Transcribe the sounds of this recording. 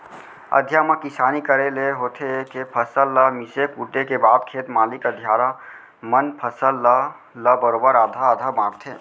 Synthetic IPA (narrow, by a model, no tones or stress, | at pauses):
ə̰d̪ʱjaməkisanikəɾeleɦot̪ʰekepʰəsəlːəmisekuʈekebab̪kʰet̪malikəd̪ʱjaɾa | mənpʰəsəlːə | ləbəɾobəɾad̪ʱaːd̪ʱabãɽt̪ʰe